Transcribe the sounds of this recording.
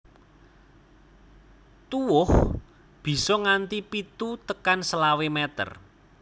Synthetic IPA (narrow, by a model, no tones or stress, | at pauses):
t̪uwʊh | b̥i̤sɔŋant̪ipit̪ut̪əkansəlawemɛt̪ə̰r